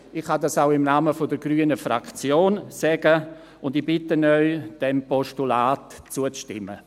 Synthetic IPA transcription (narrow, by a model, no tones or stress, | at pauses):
ɪχhadɑsaʊɪmnaːməfodəɾɡryːənəfɾa̰kt͡sjoːnsɛɡə | ʊndibɪtənœʏd̥ɛmpɔʃtulaːtt͡suət͡stɪ̰mːə̰